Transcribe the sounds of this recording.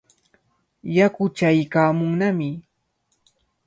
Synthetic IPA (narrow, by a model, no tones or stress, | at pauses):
jakʊt͡ʃajkaːmʊŋnamɪ